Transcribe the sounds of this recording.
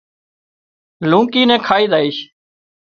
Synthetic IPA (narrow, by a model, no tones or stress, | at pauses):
lũːkiːnɛ̃ːkʰaːiːd̪aːiːʃ